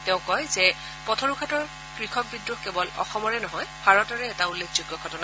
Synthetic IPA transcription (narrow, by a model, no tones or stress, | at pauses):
teʊ̃kɔjzɛ | pɔtʰɔɹukʰatɔɹ | kɹixʰɔk̚bidɹukkebɔlɔ̰xɔmɔɹɛnɔɦɔjb̥ʱaɹɔtɔɹɛːtaulːekʰzuɡjɔɡʱɔtɔna